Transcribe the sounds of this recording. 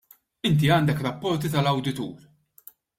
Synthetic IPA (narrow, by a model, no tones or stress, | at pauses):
ɪnt̪̬iɐːnd̪ɛkɾɐpːɔɾt̪̬it̪ɐlɐwd̪ɪt̪ṵːɾ